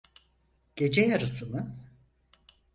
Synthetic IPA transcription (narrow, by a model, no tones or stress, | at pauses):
ɟ̥e̞d͡ʒɛjaɾɯsɯnɯ